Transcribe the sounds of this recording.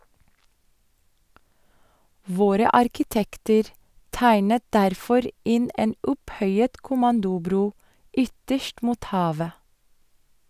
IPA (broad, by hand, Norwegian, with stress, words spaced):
ˈʋoːɾə ɑɾkɪˈtɛktəɾ ˈtæɪnət ˈdæɾfɔɾ ˈɪn ˈeːn ˈʊpˌhœʏət kʊˈmɑndʊˌbɾuː ˈʏtəʃt ˈmuːt ˈhɑːʋə